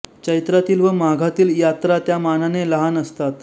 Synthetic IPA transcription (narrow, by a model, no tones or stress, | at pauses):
t͡ɕəjt̪ɾat̪iːlʋəmaɡʱat̪iːljat̪ɾat̪jamananeləɦanəst̪at̪